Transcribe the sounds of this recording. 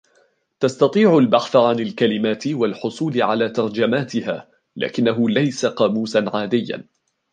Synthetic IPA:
t̪ast̪ɑt̪ˤiːʕʊlbaħθaʕanalkalɪmaːt̪ɪwalħʊsˤuːlɪʕalaːt̪ɑɾˤd͡ʒamaːt̪ɪhaː | la̰ːkɪnːaɦʊlajsaqɑːmuːsanʕaːd̪ɪjːa̰

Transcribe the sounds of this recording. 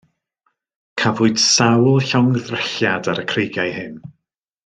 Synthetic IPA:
kʰavʊɨd̥sawlˠɬɔŋðrɛɬjadaɾəkʰrejɡjajhɨn

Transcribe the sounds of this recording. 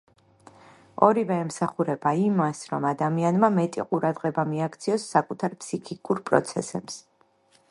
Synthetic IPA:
ɔɾivɛːmsaχuɾɛbaimasɾɔmad̪amianmamɛt̪ʼḭqʼuɾad̪ʁɛbamiakʰt̪sʰiɔsːakʼut̪ʰaɾpʰsikʰikʼuɾpʼɾɔ̰t̪sʰɛ̰sɛps

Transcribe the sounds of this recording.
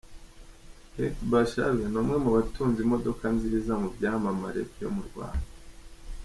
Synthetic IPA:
hekbaʃa̰βenomŋe̞muβatuːnzimo̞do̞kanziːzamubɟaːmama̰ɾḛbjo̞̰muɾɡwa̰ːnda

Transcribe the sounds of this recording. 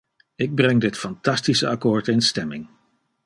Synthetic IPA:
ɪɡ̚brɛŋdɪtfɑntɑstisəɑkoːɹtɪnstɛmɪŋ

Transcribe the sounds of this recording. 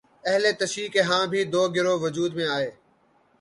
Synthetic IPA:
əɦleːt̪əʃiːkeːɦãːbʱiːd̪oːɡɪɾoːʋəd͡ʒuːd̪mẽːaːɦeː

